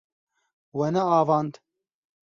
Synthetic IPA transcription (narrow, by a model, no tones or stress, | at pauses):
wɐnɐaːvɑːnd̪